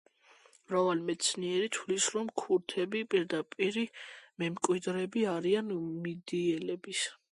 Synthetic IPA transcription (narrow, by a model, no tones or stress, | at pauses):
mɾavalmɛt̪sʰniɛɾit̪ʰwlisɾɔmkʰuɾt̪ʰɛbipʼiɾd̪apʼiɾimɛmkʼwid̪ɾɛbiaɾianmid̪iɛlɛbis